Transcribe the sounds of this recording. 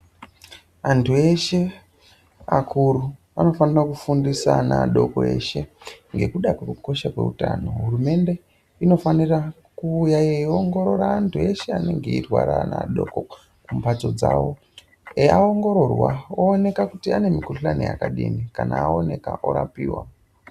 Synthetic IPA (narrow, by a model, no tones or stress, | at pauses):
antʰue̞ʃe̞ | akʰuɾu | ano̞fanirakufundisanaɗo̞koe̞ʃe̞ŋɡe̞kuɗakwe̞kuko̞ʃakwe̞̰utaːno̞ɦurume̞nde̞ | ino̞fanira | kuːjaeoŋɡo̞ɾo̞ɾaːntʰue̞ʃe̞ane̞ŋɡeirwaɾana̰ɗo̞ko | kumpato̞d͡zaːwo̞ | eaoŋɡo̞ɾo̞rwaoːne̞kakutiane̞mikurɬanḭja̰kaɗḭnikanaːo̞ne̞kaʔo̰ɾapiːwa̰